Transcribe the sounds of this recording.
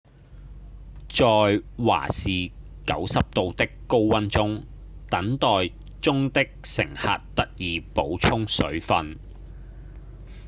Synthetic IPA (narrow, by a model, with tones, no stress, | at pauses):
t͡sɔː˨jwa̰ː˨˩siː˨ | kɐ˨˥wsɐ˨p̚t̪o˨˧wt̪ɪ˥kːo˥wwɐ˥nt͡sʊ˥ŋ | t̪ɐ˨˥ŋt̪ɔː˨j | t͡sʊ˥ŋt̪ɪ˥k̚sɪ̰˨˩ŋha̰˨t̚t̪ɐ˥t̚jiː˨po˨˥wt͡ʃʰʊ˥ŋsɵ̰˨˥ɥfɐ˧n